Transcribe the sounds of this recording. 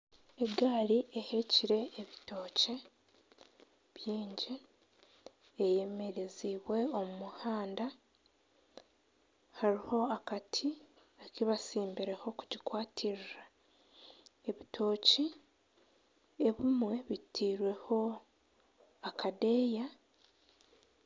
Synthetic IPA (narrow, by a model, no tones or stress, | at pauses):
e̞ɡaːliʔehe̞ciɾe̞ʔːβito̞ːce | βjiːɲɟe | je̞me̞ɾeziːβwe̞omumuhaːnda | haɾiho̞akatʰi | ekiβasiːmbiɾe̞ho̞kuɟikwaːtʰiɾɾa | e̞βitʰo̞ːci | eβimwe̞βitʰiːɾwe̞ho̞ | akʰade̞ːja